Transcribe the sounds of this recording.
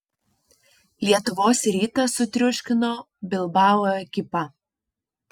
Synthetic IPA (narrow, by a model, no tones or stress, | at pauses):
lʲiɛt̪ʊʋoːsɾʲiːt̪ɐsʊt̪ʲɾʲʊʃʲkʲɪnoː | bʲɪlˠbɑːwoɛkʲɪpɐ